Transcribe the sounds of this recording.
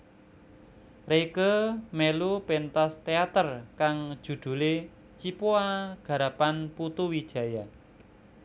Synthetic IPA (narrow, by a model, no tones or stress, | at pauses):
rekəmelupent̪ast̪eat̪ərkaŋd̥ʒ̥ṳd̪̥ṳle | t͡ʃipuaɡ̥a̤ɾapanput̪uwi̥ʒ̥ä̤ja